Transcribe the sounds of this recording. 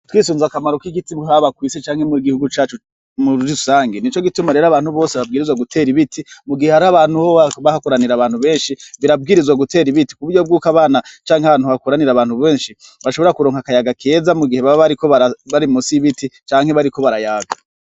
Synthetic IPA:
twiːsuːnzakamaɾo̞kiɡitiβuɦaβakwiːset͡ʃaːŋhe̞muɾiɡihuɡut͡ʃaːt͡ʃu | muɾɾiusaːŋɡenit͡ʃo̞ɡitumaɾe̞ːɾoaβaːn̥huβoːseβab̚ɡiːɾizwaɡutʰe̞ːɾiβitʰimuɡihehaɾaβaːnhuhoaβahakuɾaniɾaβaːnhuβe̞ːnʃiβiɾab̚ɡiːɾizwaɡute̞ːɾiβiti̥kuβuɾɟob̚ɡuːkaβaːnat͡ʃaːŋeaβaːnuakuɾaniɾaβaːn̥huβe̞ːnʃi | βaʃo̞βo̞ɾakuɾoːŋhakajaɡakʰe̞ːzamuɡihe̞βaβaɾiko̞βaɾaβaɾimusiβitit͡ʃaːŋhe̞βaɾiko̞βaɾajaːɡa

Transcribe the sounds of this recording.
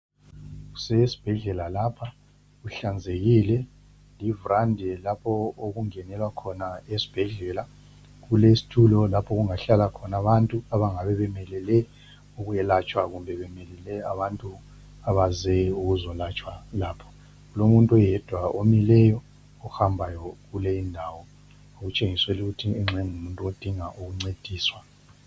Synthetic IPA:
ɣu̥sɛsi̥b̥ʱɛɮɛlalapʰa | ɣuɬand͡zʱeɣilɛ | livurandʱɛlapʰɔoɣuŋɛnɛlwakʰɔnaesi̥b̥ʱɛɮɛla | ɣulesi̥tʰulɔlapʰɔɣuŋaɬalakʰɔnaβantʼuaβaŋaβɛβɛmɛlɛlɛ | uɣujɛlat͡ʃʼwaɣumbʱɛβɛmɛlɛlɛaβantʼu | aβazɛuɣuzɔlat͡ʃʼwalaːpʰɔ̥ | ɣulomuntʼɔjɛd̥ʱwaomilɛjɔ | ɔxambʱajɔɣulɛindʱaːwɔ | oɣut͡ʃʼeŋisweluɣutʰiɛŋ͡ǁʱɛŋumuntʼuod̥ʱiŋaʔuɣuŋ͡ǀed̥ʱiːswa

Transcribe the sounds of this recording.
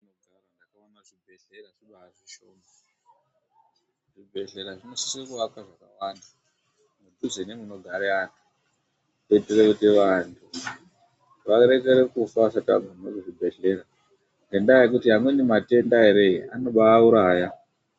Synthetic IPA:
inoɡʱarandakaonaʐibʱe̞ɬeraʐiɓaːʐiʃomo | ʐ̥ibʱe̞ɬe̞ɾaʐino̞si̥sekuʋakwaʐakawanda | muduzenemuno̞ɡʱaɾeantʰu̥ | to̞iterekutiʋantʰu | ʋaɾe̞keɾekufasatia̰ɡʱonnokuʐibʱe̞ɬe̞ɾa | nte̞ndajekutiɦamwenimate̞ndaɦeɾe̞iʔa̰no̞ɓaːuɾaːja

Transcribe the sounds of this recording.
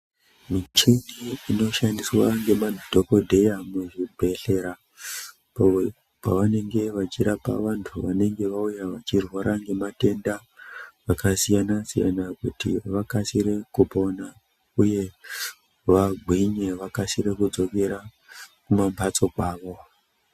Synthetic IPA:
mit͡ʃiniːno̞ʃandiswaŋɡe̞madʱo̞ko̞dʱe̞jamuʐibʱe̞ɬe̞ɾa | paʋane̞ŋɡe̞ʋat͡ʃiɾapa̰ʋantʰuʋane̞ŋɡe̞ʋaujaʋat͡ʃirwaɾʔaŋɡe̞mate̞nda | ʋakasijanasija̰nakutḭʋakasiɾe̞kupo̞na | uje̞ | ʋaɡʱwiɲe̞ʋakasire̞kud͡zo̞ke̞ɾa | kumambʱat͡so̞kwaːʋo̞

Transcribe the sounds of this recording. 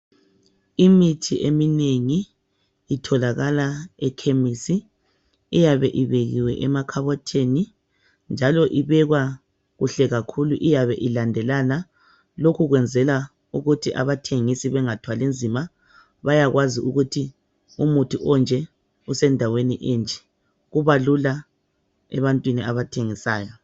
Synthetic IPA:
imitʰiʔemineŋiː | tʰɔlaɣalaɛkʰemisi | ijaβɛʔiβeɣiwɛʔɛmakʰaβɔtʰeni | nd͡ʒʱalɔʔiβɛɣwa | ɣuɬɛɣakʰuluʔijaβɛʔilandʱɛlana | lokʰuɣwɛnd͡zʱɛla | uɣutʰiʔa̰βatʰeŋisiβɛŋatʰwalend͡zʱima | βajaɣwaziʔuɣutʰi | umutʰiʔɔnd͡ʒʱɛ | usɛndʱaweniʔend͡ʒʱɛ̥ | ɣuβalula | ɛ̰βantʼwiniaβatʰeŋisaːjɔ

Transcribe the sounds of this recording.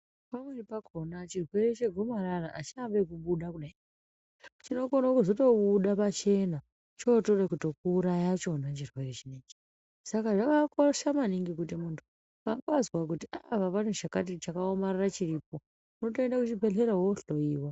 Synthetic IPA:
pamwenipakonat͡ʃirwe̞ɾet͡ʃeɡʱo̞maɾaraʔat͡ʃambekuɓuɗakuɗai | t͡ʃino̞konakuzoto̞ɓuɗapat͡ʃe̞na | t͡ʃo̞to̞rekuto̞kuːɾajat͡ʃo̞nat͡ʃirwe̞ret͡ʃineːd͡ʒi | sakaʐakakoʃamaniŋɡikutimuntʰu̥ | kaŋɡaazwak̬utiʔaʋaʋanuʃakat̬it͡ʃakaomararat͡ʃiriːp̚o̞ | uno̞to̞endakut͡ʃibʱe̞ɬe̞ɾawoɬo̞iːwa

